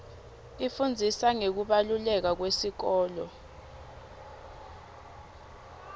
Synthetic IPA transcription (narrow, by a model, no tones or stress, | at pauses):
ifund͡zʱisaŋek̬uɓalulɛk̬ak̬wesik̬ɔːlɔ